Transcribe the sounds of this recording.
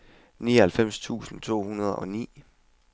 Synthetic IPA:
niːɒhælfem̰st͡sʰṵːsn̩t͡sʰo̝̰ːhunɐð̞ˠɒ̽nḭː

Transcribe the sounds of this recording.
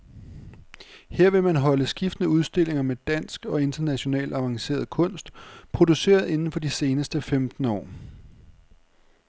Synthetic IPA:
heɐ̰ʋe̝mænɦɒ̽ləsɡ̥ifd̥ənəuð̞ˠsd̥e̝l̰e̝ŋɐmed̥æn̰sɡ̥ɒ̽e̝nd̥ɐnæɕo̝nɛ̰ːld̥ɑ̈ʋɑ̈ŋse̝̰ːɐðˠkʰɔ̽n̰sd̥pʰʁo̝d̥use̝̰ːɐð̞ˠe̝nn̩fɒ̽d̥ise̝ːnəsd̥əfemd̥n̩ɒ̰ː

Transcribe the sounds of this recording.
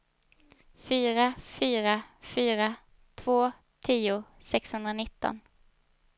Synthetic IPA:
fyːɾafyːɾafyːɾa | t̪ʰvoː | t̪ʰiːʊ | sɛkshɵnd̪ɾanɪt̪ːɔ̰n

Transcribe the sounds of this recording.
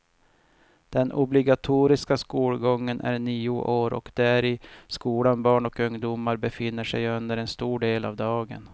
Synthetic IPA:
d̪̥ɛnʊblɪɡat̪ʰuːɾɪskaskuːlɡɔŋːənʔæ̰ɾɳiːʊʔoːɾɔ̰kd̪̥æɾɪskuːlanbɑːɳɔkɵŋd̪ʊmaɾbɛfɪnːəʂɛjɵnd̪əɾɛnst̪uːɖeːla̰vd̪ɑːɡə̰n

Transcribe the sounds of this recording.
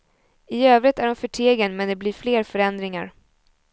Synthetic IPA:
ɪøːvɾɪt̪æɖɔmfœʈʰeːɡənmɛnd̪ɛbliːɾfleːɾfœɾɛnd̪ɾɪŋa̰ɾ

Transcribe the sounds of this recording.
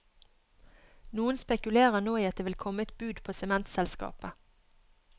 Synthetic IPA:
nuːənspɛkʉleːʁənoːiːɑt̪̚d̪eːʋɪlkʰɔməɛt̪̚bʉːd̪pʰoːsɛmɛnt̪sɛlskɑ̰ːpə

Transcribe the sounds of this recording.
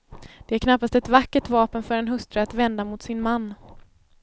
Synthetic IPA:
d̪̥ɛæɾkʰnapːast̪ɛt̪vakːəʈvɑːpənfœɾɛnɦɵst̪ɾəat̪vɛnd̪amʊt̪sɪnmanː

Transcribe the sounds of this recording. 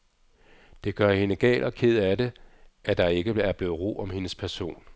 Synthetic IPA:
d̥e̝ɡ̥ɶɐhe̝nəɡ̥ɛ̰ːlʔɒ̽kʰe̝ð̞̰ˠæde̝ʔæd̥ɑ̈e̝ɡ̥əæɐb̥le̝ːð̩ˠʁo̝̰ːɒ̽mhe̝nəspʰæɐso̝̰ːn

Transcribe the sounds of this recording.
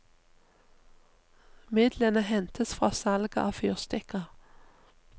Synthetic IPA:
mɪd̪lənəhɛnt̪ʰəsfʁɑːsɑlɡɑʔɑːfyːʁst̪ɛkɑʁ

